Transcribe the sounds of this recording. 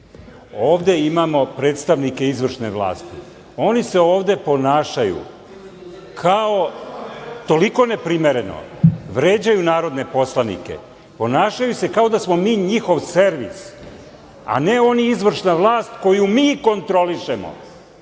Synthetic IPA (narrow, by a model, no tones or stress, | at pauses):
oːʋd̪e̞imamo̞pɾe̞ːt̪st̪aʋnike̞izʋr̩ʂne̞ʋlˠa̰ːst̪ḭ | o̞nise̞o̞ːʋd̪e̞po̞naːʃajṵ | kʰao̞ | t̪o̞liko̞ne̞pɾime̞ɾe̞no̰ | ʋɾe̞ːd͡ʑajunaːɾo̞d̪ne̞po̞slˠanḭke̞̰ | po̞naːʃajuse̞kao̞d̪asmo̞miːɲixo̞ʋse̞ɾʋḭs | a̰ne̞o̞niizʋr̩ʃnaʋlˠaːst̪ko̞jumiːko̞nt̪ɾo̞liʃemo̰